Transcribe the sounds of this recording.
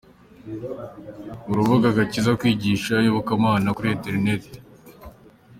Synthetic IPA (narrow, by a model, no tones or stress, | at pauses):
uɾuβaɡaɡacizakwiːɟiːʃajoβukamaːnakuɾiente̞ɾine̞te̥